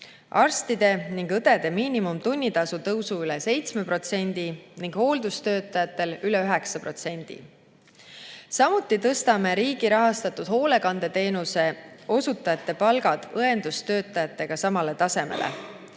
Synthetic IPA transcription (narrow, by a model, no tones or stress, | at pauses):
ʔɑrst̪id̪̥e̞niŋɡ̥ɤd̪e̞d̪e̞miːnimumt̪unʲːit̪ɑsut̪ɤwsuylɛse̞jt̪sme̞pro̞t̪se̞nʲd̪̥iniŋɡ̥ho̞ːld̪̥ust̪ø̞ːt̪ːˑɑjɑt̪ːˑe̞lylɛyɦɛ̞ksɑpro̞t̪se̞nʲd̪̥ḭ | sɑmut̪ːˑit̪ɤst̪ɑme̞ɾiːɡ̥iɾɑɦɑst̪ɑt̪ːˑud̪̥ho̞ːle̞kɑnd̪̥e̞t̪e̞ːnuse̞o̞sut̪ːˑɑjɑt̪ːˑe̞pɑlɡ̥ɑd̪̥ɤe̞nd̪̥ust̪ø̞ːt̪ːˑɑjɑt̪ˑːe̞ɡ̥ɑsɑmɑle̞t̪ɑse̞me̞̰lḛ